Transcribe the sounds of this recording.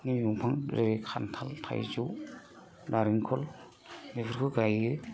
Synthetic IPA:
nijuŋpʰaŋɾeɾikʰa̰ntʰaltʰa̰jzuw | daɾiŋkʰɔl | mipʰɯɾkʰɯɡajɯ

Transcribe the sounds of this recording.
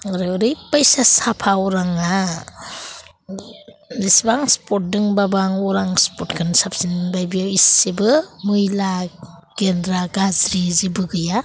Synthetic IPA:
aɾɯɔɾɯjpajsasapʰaɔɾaŋa | isbaŋspot̚dɯŋbabaŋɔɾaŋspotkʰɯnsap̚sinbajbijawisibɯmujla | ɡendɾaɡazɾizibɯɡɯja

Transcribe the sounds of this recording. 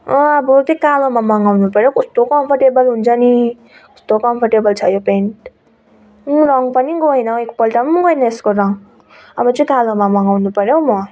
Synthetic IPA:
ʌ̃ʌbʌt̪ʌkalomamʌŋɡawnupʌɾjokʌst̪okʌmpʰʌrʈebʌlɦunt͡sʰʌni | kʌ̥st̪okʌmpʰʌrʈebʌlt͡sʰʌjopeɳʈ | rʌŋpʌniɡojnʌekpʌlʈammɡojnʌeskoɾʌŋ | ʌbʌt͡sʌj̃kalomamʌŋɡawnupʌɾjowmʌ

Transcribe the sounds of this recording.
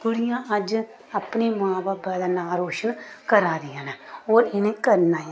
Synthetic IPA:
ɡʊɽɪjãːʔəd͡ʒ | apneːmãːbaːbɛːd̪aːnaːɾoːʃənkəɾaːɾɪːaːnãːoːɾɪnẽːkəɾnaː

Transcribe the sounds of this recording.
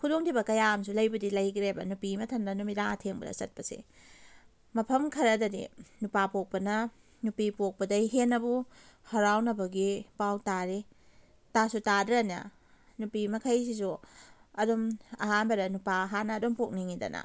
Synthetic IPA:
kʰudoŋtʰibɐkɐjams̬ulɐjbɐdilɐjɡɾebɐ̰nupimɐtʰɐndɐnumidaŋɐtʰeŋbɐɾɐ̰sɐt̚pɐsḭ | mɐpʰɐmkʰɐɾɐdɐdḭnupapok̚pɐnɐ | nupipok̚pɐdɐjɦenːɐbuhɐɾawnɐbɐɡipawtaɾi | tasutadɾanɐ̰ | nupimɐkʰɐjs̬is̬uɐdomɐ̰ɦanbɐɾɐnupaɦanɐːdompok̚niŋidɐ̰nʔɐ̰

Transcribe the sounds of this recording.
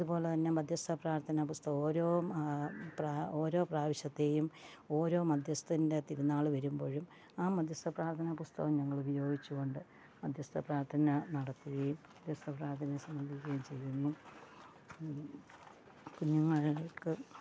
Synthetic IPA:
ɐðupo̞ːlet̪ɐnːe̞mɐd̪ʱjɐst̪ɐpraːrt̪ʰɐnɐpust̪ɐoːɾo̞ː | prao̞ːɾo̞ːpraːʋiɕɐt̪ːe̞jum | o̞ːɾo̞ːmɐd̪ʱjɐst̪ɐinde̞t̪iɾunːaːɭɨʋɐɾumboːɻum | aːmɐd̪ʱjɐst̪ɐpraːrt̪ʰɐnɐpust̪ɐʋɐmɲɐŋːɐɭubɐjo̞ːɡit͡ɕːuɣo̞ɳɖɨ | mɐd̪ʱjɐst̪ɐpraːɾt̪ʰɐnɐnɐɽɐt̪ːiɣejummɐd̪ʱjɐst̪ɐpraːɾt̪ʰɐnɐesɐmbɐnd̪ʱikʲːɐjumt͡ɕe̞jːunːu | kuɲːuŋːɐɻikːɨ

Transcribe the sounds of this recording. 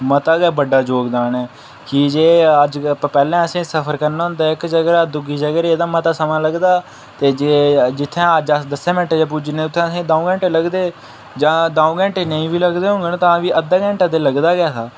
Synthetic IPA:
mət̪aːɡaːbəɖaːd͡ʒoːɡd̪aːnɛː | kɪd͡ʒeːəd͡ʒpːpɛːlɛ̃ːəsĩːsəpʰəɾkəɾnaːɦʊ̃nd̪aːɪkd͡ʒəɡɾaːd̪ʊɡiːd͡ʒəɡːɾeeːd̪aːmət̪aːsəmãːləɡd̪aː | t̪eːd͡ʒeːd͡ʒɪt̪ʰːẽːəd͡ʒəd̪əsɛ̃ːmɪ̃ɳʈeːd͡ʒeːp̬ud͡ʒnẽːʊt̪ʰːẽːəsĩːd̪ãːũːɡɛ̃ːɳʈeːləɡd̪eː | d͡ʒãːd̪aːũːɡɛ̃ːɳʈeːnəĩːbiːləɡd̪eːɦʊ̃ŋɡenːt̪ãːʋiːʔəd̪aːɡɛ̃ːɳʈãd̪eːləɡd̪aːɡɪjaːsaː

